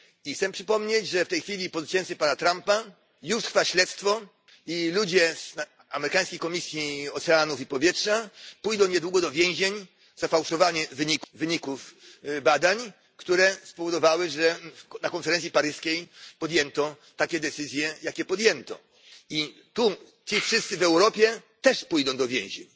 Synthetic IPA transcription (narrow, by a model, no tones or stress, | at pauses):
ixt̪sɛmpʂɘpɔmɲet͡ɕʐɛft̪ɛjxfʲilʲipɔzutt͡ɕɛnt̪sɨpanat̪ɾampa | juʂt̪ɾfaɕlɛt̪st̪fɔ | ilud͡ʑɛz | amɛɾɪkaj̃skʲejkɔmʲisʲjiɔt̪sɛanufipɔvʲjɛtʂapujd̪ɔ̃w̃ɲɛd̪wuɡɔd̪ɔvʲjɛ̃w̃ʑeɲ | zafawʂɔvaɲɛvɘɲikvɘɲikufbad̪aɲ | kt̪uɾɛspɔvɔd̪ɔvawɘʐɛnakɔnfɛɾɛnt̪sʲipaɾɘskʲejpɔd̪jɛnt̪ɔ | t̪akʲɛd̪ɛt̪sɘzʲjɛjakʲɛpɔd̪jɛnt̪ɔ̰ | i | t̪u | t͡ɕifʂɪst̪sɘvɛwɾɔpʲjɛt̪ɛʂpujd̪ɔ̃w̃d̪ɔvʲjɛ̰̃w̃ʑḛɲ